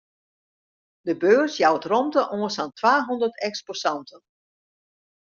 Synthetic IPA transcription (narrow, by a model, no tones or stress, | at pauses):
dəbøːrsjawətrɔmtəʔoənsantʰʋaːɦɔndərtɛksposɑntʰən